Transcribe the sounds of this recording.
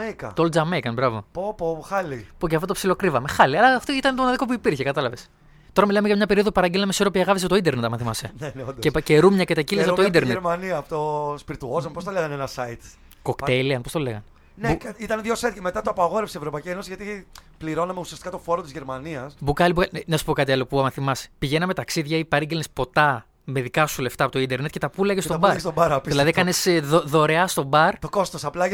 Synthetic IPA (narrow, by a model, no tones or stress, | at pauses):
ekɐ̰t̪old͡zɐmekɐnbɾɐvo̞̰popoxɐlipocɐfot̪opsilo̞kɾivɐme̞xɐliɐlɐft̪oit̪ɐnet̪oonɐðiko̞p̬uipiɾçekɐt̪ɐlɐves | t̪o̞ɾɐmilɐmeʝɐmɲɐpe̞ɾioðopupɐɾɐɟilɐmesoɾopiɐɣɐfis̬t̪oind̪e̞ɾnet̪ɐmɐθimɐseneneod̪ceceɾumɲɐcet̪ɐcilezɐt̪oind̪eɾnetɾmɐniɐpot̪ospiɾit̪uozɐmepost̪ɐleɣɐnenɐsɐit̪ | ko̞ktt̪eliɐnpo̞st̪o̞leɣɐn | neit̪ɐnðʝosɐit̪cɐme̞t̪ɐt̪oɐpɐɣo̞ɾefsievɾopɐjcienosizʝɐt̪ipliɾo̞nɐme̞usiɐst̪i̥kɐt̪ofo̞ɾot̪izʝeɾmɐniɐsbukɐlibukɐlnɐsu̥po̞kɐt̪iɐlo̞puɐmɐθimɐse̥piʝenɐmet̪ɐksiðʝɐipɐɾiɟelnespo̞t̪ɐ | me̞ðikɐsule̞ft̪ɐpot̪oind̪e̞ɾnet̪̚cet̪ɐpulɐʝest̪obɐɾst̪obɐɾɐiðiilɐðikɐnez̥ðoðo̞ɾe̞ɐst̪o̞bɐɾt̪oko̞st̪osɐplɐ